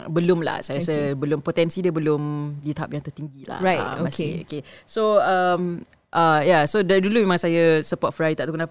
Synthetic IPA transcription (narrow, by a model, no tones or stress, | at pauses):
bəlʊmla̰hsajəɾasəbəlʊmpot̪ɛnsidəbəlʊmdit̪aɦap̚jaŋt̪ərt̪iŋɡila̰hɹatmasio̰kesoəm | ʔəjasodadulumemãŋsajəsəpɔt̪̚fəɾaɾit̪aʔ̚t̪ukənap